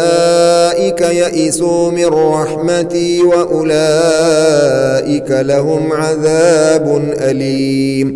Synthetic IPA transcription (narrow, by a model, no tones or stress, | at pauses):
aʔɪkajaʔɪsuːmɪrˤːɑħmat̪ɪwaʔʊlaː | ʔɪkalahʊmʕaðaːbʊnʔaliːm